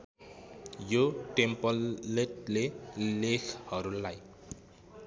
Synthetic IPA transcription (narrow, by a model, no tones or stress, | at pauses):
joʈempʌleʈlelekʰhʌɾulaj